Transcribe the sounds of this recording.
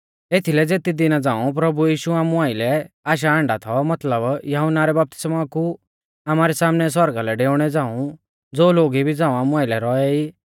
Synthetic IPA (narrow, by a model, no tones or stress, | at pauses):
eːt̪ʰilɛd͡zeːt̪id̪ɪnad͡zãːũp̬ɾɐbujiːʃuaːmũaːɪlɛaːʃ̬aãːɳɖat̪ʰɔmɐt̪ləbjɐɦunaɾɛbɐp̚t̪ɪ̥smaku | amaːɾɛsaːmnɛs̬wɔɾɡalɛɖeːʊɽ̃ɛd͡zãːũ | d͡zoːloːɡibʱid͡zãːũaːmũaːɪlɛɾɔɛiː